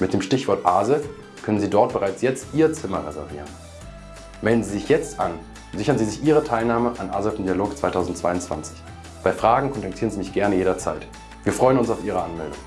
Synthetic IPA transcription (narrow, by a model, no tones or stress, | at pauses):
mɪt̚d̥eːmʃtɪçv̥ɔɐtʔaːzə | kʰœnənziːdɔɐt̚b̥əʁaɪt͡sjɛt͡stʔiːɐt͡sɪmɐʁɛzɛ̰ɐvḭːʁən | mɛldn̩ziːzɪçjɛt͡stʔa̰n | zɪçɐnziːzɪçʔiːʁətʰaɪlnaːməʔanʔa̰ːzəfmdialoːkt͡sv̥aɪtʰaʊzn̩tt͡sv̥aɪʊntt͡sv̥a̰nt͡sɪ̥ç | b̥aɪfʁ̥aːɡŋ̩kʰɔntaktʰiːʁənziːmɪçɡ̥ɛɐnəjeːɾɐt͡sa̰ɪt | v̥iːɐfʁ̥ɔʏənʊnsaʊfʔiːʁ̞əʔanmɛldʊ̰ŋə